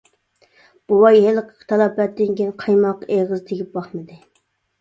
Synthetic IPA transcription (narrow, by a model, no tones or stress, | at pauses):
b̥uwɑjɦelqʰə̥t̪ʰɑlˠɑpɛt̪̚d̪ɪŋkʲinqʰɑjmɑqeʁɨzt̪ʰeɡʲip̚bɑχmɨd̪ɪ